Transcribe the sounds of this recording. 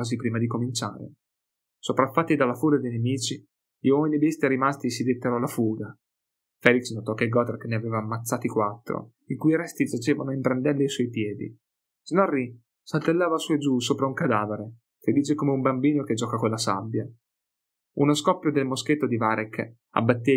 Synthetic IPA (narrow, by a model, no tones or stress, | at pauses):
aːzipɾiːmad̪ikomint͡ʃa̰ːɾḛ | sopɾafːat̪ːid̪alːafuːɡad̪ejnemiːt͡ʃi | ʎiwɔminibist̪aɾimast̪isid̪et̪ːeɾɔlafuːɡa | fɛːliksnot̪ɔkːeɡɔt̪erkneaveːvaːmːat̪sːaːt̪ikwat̪ːɾo̰ | ikujɾɛst̪id͡ʒat͡ʃeːvanoimpɾand̪ɛlːeisuɔjpjɛːd̪ḭ | snɔrːi | salt̪elːaːvasued͡ʒusoːpɾauŋkad̪aːveɾe | ked̪iːt͡ʃekomeumbambiːnoked͡ʒːɔkakolːasa̰bːja | unoskɔpːjod̪elmosket̪ːod̪ivaɾekː | a̰bːat̪ːe